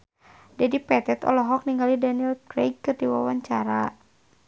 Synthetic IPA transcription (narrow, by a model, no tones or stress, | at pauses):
dɛdipɛt̪ɛt̪ɔ̰lɔɦɔk̚niŋɡalidaniɛlkɾeɡ̚kːɨrdiwa̰waɲt͡ʃaɾa